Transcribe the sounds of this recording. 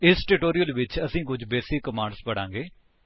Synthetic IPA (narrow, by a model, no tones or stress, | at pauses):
ɪsʈuːʈoːɾɪjəlʋɪt͡ʃəsĩːkʊd͡ʒbeːsɪkːəmaːɳɖspəɽãːŋɡeː